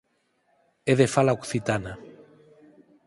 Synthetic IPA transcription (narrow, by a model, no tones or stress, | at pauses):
eðefalaokθit̪ana